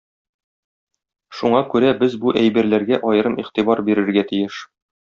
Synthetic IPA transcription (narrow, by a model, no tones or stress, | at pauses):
ʃuɴɑkʉɾæbɘzbuʔæjbæɾlæɾɡæʔɒjɤ̆ɾɤmiχt̪ibɑɾbiɾɘ̆ɾɡæt̪ijɘʃ